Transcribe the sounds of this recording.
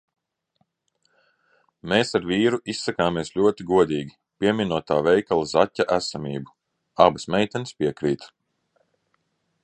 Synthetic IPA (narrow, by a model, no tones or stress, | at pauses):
meːsaɾviːɾuʔisːakaːmiɛsʎʲuɔt̪iɡuɔd̪iːɡʲi | pʲiɛmʲinuɔt̪aːvɛjkalˠzatʲːaʔæsamiːbu | abɨsmɛjt̪ɛnspʲiɛkɾiːt̪